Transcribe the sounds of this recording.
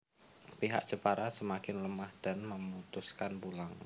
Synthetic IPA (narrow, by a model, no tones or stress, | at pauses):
piɦa̰ʔ̚d͡ʒ̥əpaɾasəmakɪnləmahd̥anməmut̪ʊskanbulaŋ